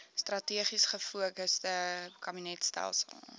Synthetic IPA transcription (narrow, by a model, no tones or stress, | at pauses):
strɐtiəχisχəfuəkəsdəkɐbinɛtstæ̰lˠsə̰lˠ